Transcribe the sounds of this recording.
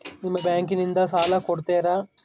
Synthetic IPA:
nimːɐbjaːŋkinind̪ɐsaːlaːkoɽut̪eːɾaː

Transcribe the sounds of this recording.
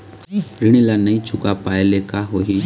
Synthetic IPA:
ɾɪɽ̃ilanɐĩt͡ʃʰʊkapaːelekaɦoɦi

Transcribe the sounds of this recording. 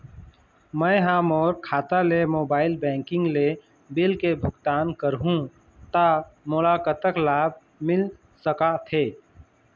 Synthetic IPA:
mə̃jɦãːmɔːɾkʰaːt̪alemoːbaːɪlbɛ̃ːŋkɪ̃ŋɡle | bɪlkebʱʊɡt̪aːnkəɾɦũ | t̪amolaːkət̪əklaːb̚ʱ | mɪl | səkat̪ʰeː

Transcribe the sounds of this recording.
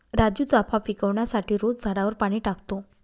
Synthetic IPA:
ɾad͡ʑjuːt͡sapafikəʋɳjasaʈiːɾod͡zd͡zʱaɽaʋəɾpaɽ̃iːʈakt̪o

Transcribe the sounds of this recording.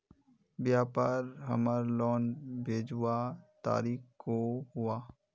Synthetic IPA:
bjaːpaːɾɦəmaːɾlɔːnbʱeːd͡ʒwat̪a̰ːɾiːxkoɦʊaː

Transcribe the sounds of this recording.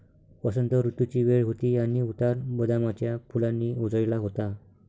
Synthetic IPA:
pəsənt̪əɾut̪jut͡ɕiːʋeɭɦot̪iːaniut̪aɾbəd̪amat͡ɕjapʰulanːiːud͡zəjlaɦot̪a

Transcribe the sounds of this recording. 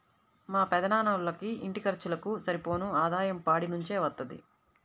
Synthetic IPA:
maːpɛd̪ɐnaːnɐlɐkiiɳʈikɐɾt͡ʃulɐkusɐɾipo̞ːnuaːd̪aːjɐmpaːɽinuɲt͡ʃe̞ːʋɐt̪ːɐd̪ḭ

